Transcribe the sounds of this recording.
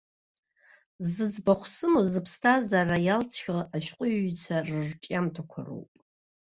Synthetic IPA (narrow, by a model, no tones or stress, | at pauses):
zɨd͡zbaχʷsɨmozɨpʰstʰazarajalt͡sʰχʲaaʃᶣqʷʼʊt͡sʷʰarɨrʈ͡ʂʼamtʰakʷʰa̰ro̰wpʼ